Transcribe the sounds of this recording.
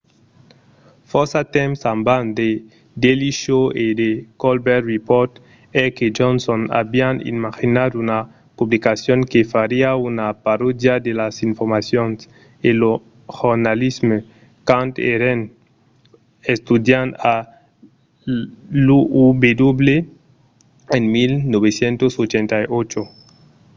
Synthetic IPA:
fɔsat̪ɛmsãmband̪e | d̪eliʃoed̪ekolbɛɾripɔɾt̪ | ɛked͡ʒonsona̰bianḭmaxinad̪una | publikasjoŋkefaɾiaunapaɾod̪jad̪elasiɱfoɾmasjons | elo | xoɾnalizme | kant̪ḛɾen | est̪ud̪jana | luubed̪oble | enmilnoβesjent̪osot͡ʃent̪ajot͡ʃo

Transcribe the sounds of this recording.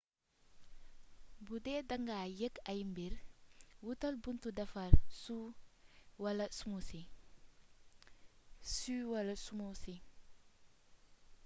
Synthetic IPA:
budɛːdɐŋɡaːjɛkɐjmbiɾwutɐlbuntudɐfɐɾsu | wɐlɐsumusi | swɐlɐsumosi

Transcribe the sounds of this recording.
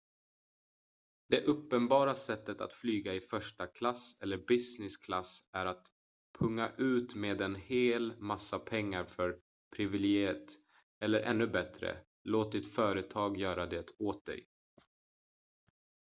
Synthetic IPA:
d̪ɛʔɵpːənbɑːɾasɛt̪ːət̪a̰t̪flyːɡaɪfœʂʈakʰlasɛlːəɾbɪsnɪskʰlasæɾat̪ | pʰɵŋːaʔʉ̟ːt̪meːd̪ɛnheːlmasːapʰɛŋːaɾfœɾ | pʰɾɪvɪlɛɡɪt̪ | ɛlːəɾʔɛ̰nːɵbɛt̪ɾə̰ | loːt̪̚d̪ɪt̪fœːɾət̪ʰɑːɡjœːɾad̪eːt̪oːt̪̚d̪ɛ̰j

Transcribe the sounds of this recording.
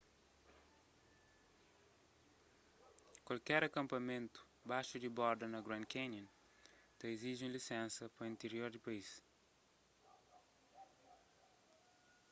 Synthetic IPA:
kwɐlkɛɾɐkɐ̃mpɐmẽnt̪u̥ | bajʃud̪ibɔɾd̪ɐnɐɡɾɐ̃nkenɐ̃n | t̪ɐiziʒũlisẽnsɐpɐĩnt̪eɾioɾd̪ipɐis

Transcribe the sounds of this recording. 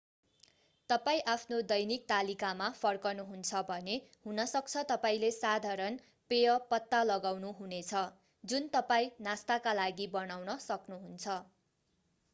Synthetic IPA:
t̪ʌpaĩʔapʰnod̪ʌjnik̚t̪alikamapʰʌrkʌnuɦunt͡sʰʌbʱʌnehunʌsʌk̚t͡sʰʌt̪ʌpaĩlesad̪ʱaɾʌn | pejʌpʌt̪ːalʌɡawnuɦunet͡sʰʌ | d͡zunt̪ʌpaĩnast̪akalaɡibʌnawnʌsʌknuɦunt͡sʰʌ

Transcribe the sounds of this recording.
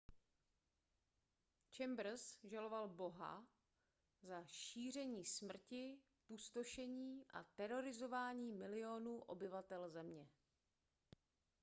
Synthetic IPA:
t͡ʃɛmbɾ̩sʒalo̞valbo̞ɦa̰ | zaʃiːr̝ɛɲiːsmr̩cɪ | pust̪oʃɛɲiːʔa̰t̪ɛɾo̞ɾɪzo̞vaːɲiːmɪlɪo̞nuːʔo̞̰bɪvat̪ɛlzɛmɲɛ

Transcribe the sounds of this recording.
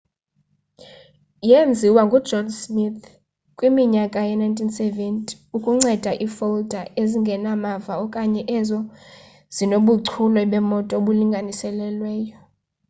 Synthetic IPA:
jend͡zʱiwaŋɡʱu̥d͡ʒʱɔnsmit̪ʰ | kʼwimiɲakʼajɛnajntʰʼinsɛvɛntʼi̥ | ukʼuŋ͡ǀɛd̥ʱaʔifold̥ʱaʔeziŋɡʱɛnamavaɔkʼaɲɛʔɛzɔ | z̥inoɓuǀʰulɔɓɛmɔtʼɔoɓuliŋɡʱanisɛlɛlwɛːjɔ

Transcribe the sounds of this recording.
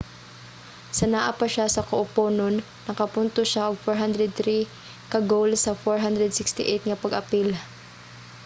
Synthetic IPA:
sɐnaʔapɐʃasɐkoʔʊpoːnonːɐkɐpʊnt̪oʃaʔʊɡ̚foɹɦand̪ɾɛd̪̚θɾi | kɐɡowlsɐfoɹɦand̪ɾɛd̪sɪkst̪ɪʔet̪̚ŋɐpɐɡʔɐpil

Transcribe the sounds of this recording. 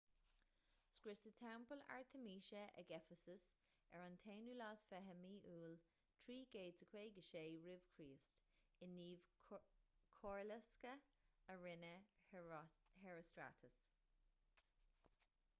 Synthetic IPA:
skɹɪsətʰɛwmpəla̰ɹt̪ʰəmiːʃəʔə̰ɡɛfəsəs | ɛɹant̪ʰeːnulɑːsfɛɦəmiːʔuːl | tʰɹiːɡeːdsəkʰweːɡəʃeːɹɪv̥kʰɹiːst | ɪnːiːv | kʰɔɹlɛskəəɹɪnə | hɛɹəstɹa̰tʰəs

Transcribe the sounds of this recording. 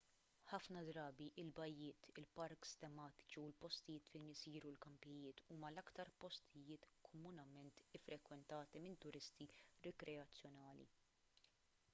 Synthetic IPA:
ħɐfnɐd̪ɾɐːbiʔɪlbɐjːɪːt̪ɪlpɐɾkst̪ɛmɐːt̪ɪ̥t͡ʃiɪlpɔst̪ɪjɪːt̪fɛjnɪsiːɾulkɐmpɛjɪːt̪uːmɐlɐkt̪ɐɾpɔst̪ʰɪjɪːt̪kʰɔmʊnɐmɛnt̪ɪfɾɛkwɛnt̪ɐːt̪imɪnt̪ʊɾɪst̪iɾɛkɾʔɛɐt͡sːjɔnɐːlḭ

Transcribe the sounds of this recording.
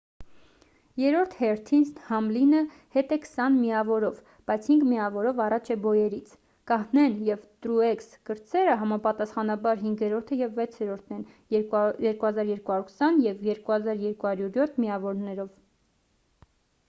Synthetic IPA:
jɛɾɔɾt̪ʰhɛɾt̪ʰinshɑmlinə | hɛt̪ɛkʰsɑnmiɑvɔɾɔv | b̥ɑjt͡sʰhiŋɡmiɑvɔɾɔvɑrɑt͡ʃʰɛbɔjɛɾit͡sʰ | kɑhnɛnjɛvt̪ɾuɛkskəɾt͡sɛɾəɦɑmɑpɑt̪ɑsχɑnɑbɑɾɦiŋɡɛɾɔɾt̪ʰəjɛvːɛt͡sʰɛɾɔɾt̪ʰnɛn | jɛɾkuhɑzɑɾjɛɾkuhɑjuɾkʰsɑnjɛvjɛɾkuhɑzɑɾjɛɾkuhɑɾjuɾjɔt̪ʰmiɑvɔɾnɛɾɔv

